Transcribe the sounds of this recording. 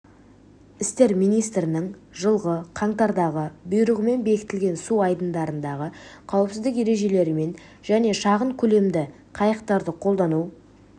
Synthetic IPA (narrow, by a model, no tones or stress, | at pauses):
ɪst̪e̞ɾmijnijst̪ɾɪnɪŋʒəlˠʁəqʰɑɴt̪ɑɾd̪ɑʁəbʊjɾəʁəme̞nbe̞kʲɪ̥t̪ɪlɡʲe̞nsuɑjd̪ənd̪ɑɾənd̪ɑʁəqʰɑwəpsɪzd̪ɪkje̞ɾe̞ʒe̞le̞ɾɪme̞n | ʒ̥æne̞ʃɑʁəɴkʲʰɵle̞md̪ɪ | qʰɑjəq̚t̪ɑɾd̪əqʰo̞lˠd̪ɑnu